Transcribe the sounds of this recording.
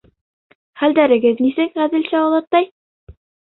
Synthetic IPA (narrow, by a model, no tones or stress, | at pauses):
χæld̪æɾɘ̆ɡɘðnisɘkʁæðɘ̆lɕæɑwlˠɑt̪ːɑj